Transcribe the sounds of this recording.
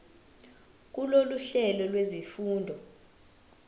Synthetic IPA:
k̬uloluɬɛlɔlwezifuːndʱɔ

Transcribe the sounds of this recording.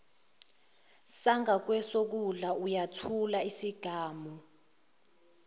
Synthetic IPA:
saŋak̬wɛsok̬uɮaujatʰulaisiɡ̥ʱaːmɔ

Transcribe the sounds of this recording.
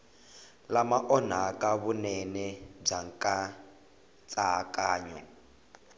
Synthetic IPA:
lamaʔɔn̤akʼaβunɛnɛb͡ʐaŋkʼa | t͡sʼaakʼaːɲɔ̰

